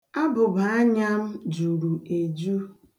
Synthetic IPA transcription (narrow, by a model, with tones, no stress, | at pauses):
a˦bʊ˨ba˨a˦ɲa˦m̩˦d͡ʒu˨ɾu˨e˨d͡ʒu˦